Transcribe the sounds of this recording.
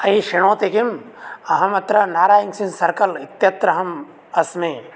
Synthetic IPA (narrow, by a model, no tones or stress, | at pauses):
ɐiʃiɳ̃oːt̪ikim | ɐɦɐmɐt̪ɾɐnaːɾaːjɐŋsinsɐɾkɐlit̪jɐt̪ɾɐɦɐm | ɐsmi